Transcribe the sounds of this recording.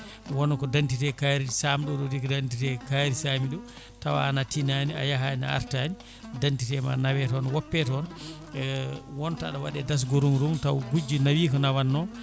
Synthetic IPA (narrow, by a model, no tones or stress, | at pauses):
wɔnɔkɔdantitɛkaɾisamiɗɔɗɔdikɔdantitɛkaɾisamiɗɔ | tawa̰ːnatinania̰jaɦana̰a̰ɾtani | dantitɛma̰nawɛtɔnwɔpːɛtɔn | wɔnta̰ɗɔwaɗɛdas̬ɡoɾunɾumtawɡud͡ʒinawiːkɔnawanːɔ